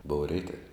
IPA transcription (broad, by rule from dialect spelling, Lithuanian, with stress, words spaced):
boːʊw ˈrʲɛɪtɐw